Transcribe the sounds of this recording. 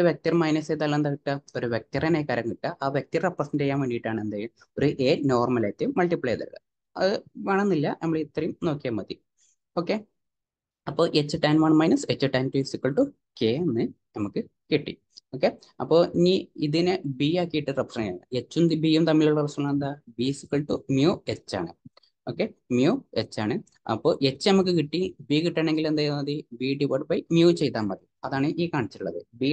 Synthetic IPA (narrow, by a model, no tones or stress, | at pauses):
ɨʋjek̚t̪irmɐjnɐseːd̪ɐlːɐnd̪aːkiʈːɨoɾuʋjek̚t̪irɐnekɐɾɐŋkiʈːɨʔaːʋjek̚t̪ireprɐsɐndejːaːnʋeɳɖijiʈːaːɳɨend̪aːjum | oɾuʔeːno̞ːrmɐlet̪ːɨmɐɭʈipːɭeːd̪ɐ̰ɾðɐ̰ | ɐ̰ðɨʋeɳɐnːilːɐnɐmːɐɭit̪ːrɐjumno̞ːkːijamɐd̪i | oːkːe | ɐpːo̞ːʔet͡ɕːɨʈɐjnʋɐːɳmɐjnɐset͡ɕːɨʈɐjnpiːsikːɐɭʈu | keːnːɨnɐmukːɨ | kiʈːḭ | o̞ːkːe | ɐpːoːniːiðinɨbiːaːkːijiʈːɨrepːsɐnɐja̰ɨet͡ɕːumd̪ibiːjumt̪ɐmːiluɭːɐɐrɐsɐɭːɐɐnd̪aːbiːsikːɐɭʈumjuːe̞t͡ɕːa̰ːɳɨ̰ | o̞ːkːemjuːe̞t͡ɕːa̰ːɳɨ | ɐ̰pːoːʔe̞t͡ɕːɨnɐmuk̬ːɨkiʈːibiːkiʈːaːɳe̞ŋɡilend̪aːjunːɐðibiːɖipoɖbɐjmjuːt͡ɕe̞jt̪ːaːmmɐðiɐðaːɳɨʔiːkaːɳit͡ɕːi̥ʈuɭːɐðɨbiː